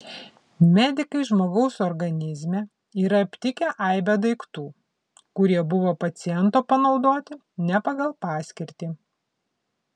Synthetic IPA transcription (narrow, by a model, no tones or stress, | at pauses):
mʲæːd̪ʲɪkɐɪʒmoːɡɒʊsɔɾɡɐnʲɪzʲmʲe | iːɾɐɐpʲt̪ʲɪkʲɛʔɐɪbʲɛd̪ɐɪkt̪uː | kʊɾʲiɛbʊʋoːpɐt̪sʲɪjɛnˑt̪oːpɐnɒʊd̪oːt̪ʲɪ | nʲɛpɐɡɐlˠpɑːsʲkʲɪɾʲt̪ʲiː